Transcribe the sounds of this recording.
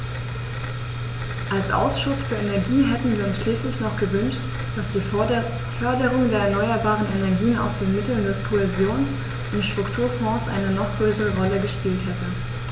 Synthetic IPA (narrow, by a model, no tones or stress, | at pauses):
ʔalsʔa̰ʊsʃʊsfyːɐenɛɐɡiːɦɛtn̩viːɐʊnsʃliːslɪçnɔχɡ̥əvʏnʃt | d̥asd̥iː | fœɐdəʁʊŋdeːɐɛɐnɔʏɐbaːʁənenɛɐɡiːəna̰ʊsd̥eːnmɪtl̩ndɛskʰoɛzjoːns | ʔɪnʃtʁ̥ʊktʰuːɐfɔ̃ːsʔa̰ɪnənɔχɡ̥ʁøːsəʁəʁɔləɡəʃpiːlthɛtə